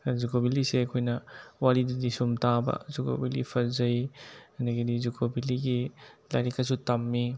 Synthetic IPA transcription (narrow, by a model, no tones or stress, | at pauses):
zukobiliseɐkʰojnɐwaɾididisumtabɐ̰zuko̰bilḭpʰɐzɐjɐnɐɡɐdizukʰobiliɡila̰jɾikɐsutɐmːi